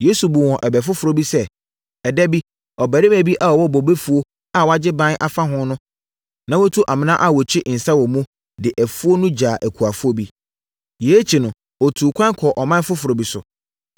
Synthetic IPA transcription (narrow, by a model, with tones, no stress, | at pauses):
jeː˦su˨bu˨wɔ̃˨ʔɛ˨bɛ˨f̬ʊ˦fʊ˨ɾo˦bi˦sɛ˦ | ɛ˨dɛ˦bi˦ | ɔ˨bæ˨ɾɪ˦mæ̃˨bi˦ʔa˦ɔ˨wɔ˦bɔ˨be˦fu˨o˦ | a˨wa˦d͡ʑɪ˦bã˦n˦ʔa˨fa˦ɦʊ̃˦nʊ̃˦ | nã˨wo˦tʰu˦ʔa˨mɪ̃˦nã˦ʔa˦˨wɔ˨t͡ɕʰᶣɪ˦ʔn̩˨sa˦wɔ˨mũ˦ | dɪ˨ʔæ˨fu˦o˦nʊ̃˦d͡ʑaː˨ʔæ˨kʰu˨a˨fu˦o˦bi˦ | je˨˦t͡ɕʰi˨nʊ̃˨ | ɔ˨tʰuː˨kʰʷã˦kʰɔ˨ʔɔ˨mã˦n˦fʊ˦fʊ˨ɾo˨bi˨sʊ̰˨